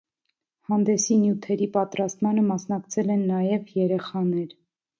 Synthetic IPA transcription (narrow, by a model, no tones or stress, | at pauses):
hɑnd̪ɛsinjut̪ʰɛɾipɑt̪ɾɑst̪mɑnəmɑsnɑkt͡sʰɛlɛnːɑjɛvjɛɾɛχɑnɛɾ